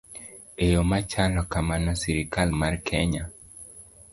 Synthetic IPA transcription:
ejomat͡ʃalɔkamanɔsiɾɪkalmarkʰeɲa

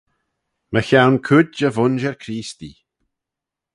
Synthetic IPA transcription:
məçawnkʰudd͡ʒəvʊnʒɛɹkʰɾiːst̪ḭ

